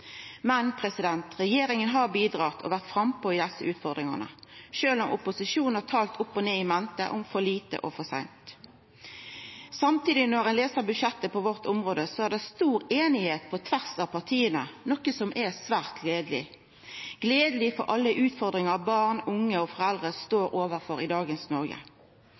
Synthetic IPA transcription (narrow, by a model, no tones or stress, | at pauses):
mɛnpʰʁɛsɪd̪ɛnt̪ʁɛjeːɾɪŋənɦɑbiːd̪ʁɑːt̪ʰɔ̰ʋæʁt̪fɾɑmpoːɪd̪ɛsːəʔʉːt̪fɔʁd̪ʁɪŋə̰nə̰ʃøːlɔmʔʊpʊsɪʃuːnn̩hɑt̪ʰɑːlt̪ʰʊpːɔneːɪmɛnt̪ə̰ʔɔmfɔliːt̪ə̰ʔɔ̰fɔsæ̰ɪnt̪ | sɑmt̪iːd̪ɪnɔʁɛnleːsəʁbʉʃɛt̪ːəpɔʋɔʁt̪ʊmʁoːd̪əsɔæʁd̪ɛst̪uːɾeːnɪheːt̪̚pʰɔt̪ʰʋæʁsɑʋpʰɑʁt̪ʰiːənənɔkəsɔmʔɛsʋæːʁt̪ɡleːd̪lɪ̰ | ɡ̥leːd̪əlɪfɔ̰ɾɑlːəʔʉːt̪fɔʁd̪ʁɪŋɑɑbɑːʁnʊŋːəɔfɔʁɛld̪ʁəst̪oːɾoːʋəʁfɔɾɪd̪ɑːɡənsnɔʁɡə̰